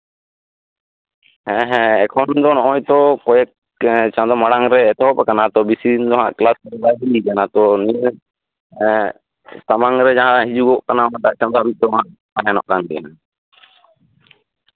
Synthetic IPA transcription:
ɛɦɛ̃ɛkʰɔnd̪ɔnɔɔ̃jt̪ɔkɔjɛk | t͡ʃãd̪ɔmaɽaŋɾɛːt̪ɔɦɔpɛkanat̪ɔbisind̪ɔɦãʔklasɾlajdikanat̪ɔni | t̪amaŋɾɛd͡ʒaɦãɦid͡ʒuɡɔʔkanamaʈaʔt͡ʃãmd̪abit̪ɔɦãʔ | paɦanɔ̰ʔkand̪ɛ̰na

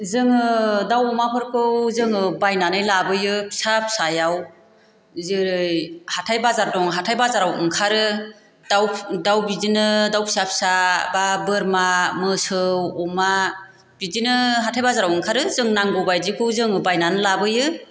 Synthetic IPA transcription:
zɯŋɯdawɔmapʰɯɾkʰɯwzɯŋɯbajnanɯjlabɯjɯpʰi̥sap̚sajaw | zɯɾɯjhatʰajbazaɾdɔŋɦatʰajbazaɾawɯŋkʰaɾɯ | d̥awdawbizinɯdawpʰi̥sap̚sababɯɾmamɯsɯwɔma | bizinɯɦatʰajbazaɾawɯŋkʰaɾɯzɯŋnaŋɡɯwbajzikʰɯwzɯŋɯbajnanɯlabɯjɯ

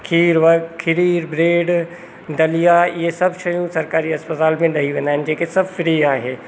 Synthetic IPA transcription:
kʰiːɾʋɐkʰɪɾiːɾbɾeːɖ | d̪ɐlijaɪɦesɐbʱʃɐjũsɐɾkaːɾiɐspət̪aːlmẽɗɐɦiʋẽːnd̪aːɦɪ̃nɪd͡ʑeːkesɐbʱfɾiːaːɦeː

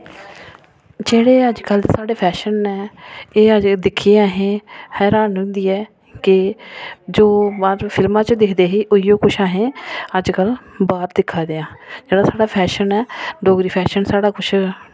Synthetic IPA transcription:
d͡ʒeːɽeːəd͡ʒkəlːsaːɽeːpʰɛːʃənɛːeːəd͡ʒd̪ɪkʰːieaːɦẽːhɛːɾaːnɦʊ̃nd̪iːɛː | kɪ | d͡ʒoːbaːɾpʰɪlmãːt͡ʃd̪ɪkʰd̪eːɦiːʔʊijõːkʊt͡ʃʰaːɦẽːəd͡ʒkəlbaːɾd̪ɪkʰːaːd̪eːãːd͡ʒeːɽaːsaːɽaːpʰɛːʃənɛːɖoːɡɾiːpʰɛːʃənsaːɽaːkʊt͡ʃʰ

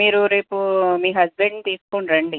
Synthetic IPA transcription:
miːɾuɾe̞ːpumiːɦɐzbeɳɖt̪iːskoɳɾɐɳɖi

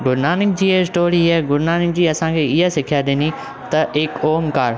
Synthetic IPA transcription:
ɡʊɾnaːnɪk̚d͡ʑiːesʈoːɾiɛɡʊɾnaːnɪk̚d͡ʑiːɐsãkʰeːɪɦasɪkʰijaɗɪni | t̪ɐʔɪkoːmkaːɾ

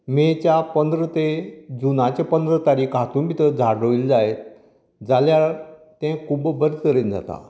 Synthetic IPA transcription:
met͡ɕjapənd̪ɾət̪ed͡zunat͡ɕepənd̪ɾət̪aɾiːkɦat̪uːnbit̪əd͡zʱaɽəʋild͡zajet̪ | d͡zaljat̪ɛ̃kʰubbəɾsəɾend͡za̰t̪a̰

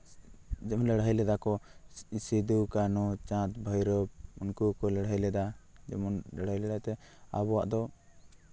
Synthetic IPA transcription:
d͡ʒɛmɔnlɛɽɦəjlɛd̪akɔsid̪ukanɔt͡ʃãt̪̚bʱəjɾɔb̚unkukɔlɛɽɦəjlɛd̪ad͡ʒɛmɔnlɛɽəjlɛd̪at̪ɛ | a̰bɔwa̰ʔd̪ɔ

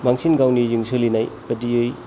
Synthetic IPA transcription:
baŋsʰinɡawnijɯŋsʰɯlinajbɐdiɯj

